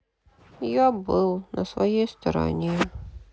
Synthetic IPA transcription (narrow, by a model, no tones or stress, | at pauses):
jɔbɨlˠnʔɐ̰svajɛjst̪ɐɾa̰nʲe